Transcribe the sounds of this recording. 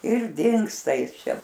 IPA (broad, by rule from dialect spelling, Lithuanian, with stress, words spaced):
ɪr ˈdʲɪŋkstɐ ˈjɪs ˈt͡ʃʲɛ